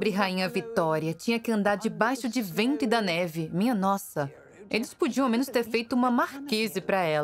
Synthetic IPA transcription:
bɾɪɦaĩɲɐvit̪ɔɾiɐt͡ʃĩɲɐkɪɐ̃nd̪aɾd͡ʒɪbajʃʊd͡ʒɪvẽnt̪ʊɪd̪ɐnɛvɪmĩɲɐnɔsɐ | elɪspud͡ʒiɐ̃amẽnʊst̪eɾfejt̪ʊũmɐmaɾkezɪpɾɐɛl

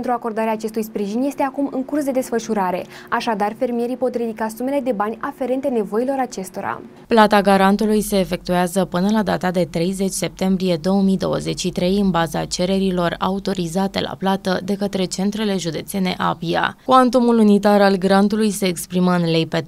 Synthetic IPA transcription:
ent̪ɾuako̞rd̪aɾeaːt͡ʃe̞st̪ujspɾiʒinje̞st̪e̞akumɨŋkursd̪e̞d̪e̞sfəʃuɾaɾe̞ | aʃad̪arfe̞rmije̞ɾijpo̞t̪ɾid̪ikasume̞le̞d̪e̞banʲafe̞ɾe̞nt̪e̞ne̞vo̞ilo̞ɾat͡ʃe̞st̪o̞ɾa̰ | plat̪aɡaɾant̪ulujse̞ːfe̞k̚t̪ueazəpɨnəlad̪at̪ad̪e̞t̪ɾe̞jze̞t͡ʃʲse̞p̚t̪e̞mbɾije̞d̪o̞wəmijd̪o̞̰wə̰ze̞t͡ʃʲʃit̪ɾe̞jɨnbaza̰t͡ʃe̞ɾe̞ɾilo̞ra̰ut̪o̞ɾizat̪e̞̰lʔa̰plat̪əd̪e̞kət̪ɾe̞t͡ʃe̞nt̪ɾe̞le̞ʒud̪e̞t̪se̞ne̞̰ʔapia̰kuant̪umulunit̪aɾalɡɾant̪ulujse̞ːkspɾiməɨnlejpet̪

